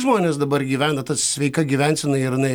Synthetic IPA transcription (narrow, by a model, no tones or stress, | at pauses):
ʒmoːnʲeːsd̪ɐbɐrɡʲiːʋʲæːnɐt̪ɐsʲʋʲɛɪkɐɡʲiʋʲænʲsʲɪnɐɪɪɾɪnɐɪ